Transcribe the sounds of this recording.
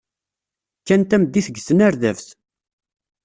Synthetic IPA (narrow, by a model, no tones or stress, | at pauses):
kːænt̪æmd̪iθəɡsənæɾðævθ